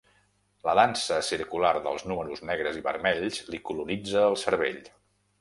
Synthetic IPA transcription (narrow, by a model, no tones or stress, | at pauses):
ləðansəsiɾkularðə̰lˠznuməɾuznɛɣɾəziβə̰ɾmɛʎzlikulunid͡zəːlˠsəɾβḛʎ